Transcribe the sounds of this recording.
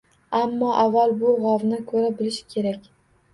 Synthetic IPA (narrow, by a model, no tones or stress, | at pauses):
amːɒʔavːalbʊʁawnɪkʰɵɾabɪlɪʃkʲʰe̞ɾakʲ